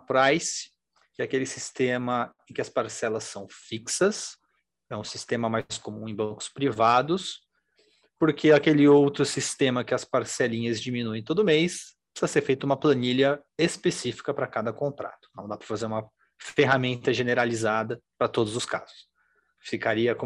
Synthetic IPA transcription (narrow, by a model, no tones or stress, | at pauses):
ɐpɾajsɪ̥ | kɪakelɪsist̪ẽmɐẽkɪɐspaɾsɛlɐsːɐ̃w̃fiksɐs | ɛũsist̪ẽmɐmajskomũẽj̃bɐ̃ŋkʊ̥spɾivad̪ʊs | poɾkʰeakelɪowt̪ɾʊsist̪ẽmɐkɪɐspaɾsɛlĩɲɐzd͡ʒimĩnuẽj̃t̪od̪ʊmejspisɐseɾfejt̪ʊũmɐplɐnilʲɐespesifi̥kɐpɾɐkad̪ɐkõnt̪ɾa̰t̪ʊ̥nɐ̃w̃d̪apɾɐfazeɾũmɐ | feɦamẽnt̪ɐʒeneɾalizad̪ɐpɾɐt̪od̪ʊzʊska̰zʊs | fikaɾiɐkõ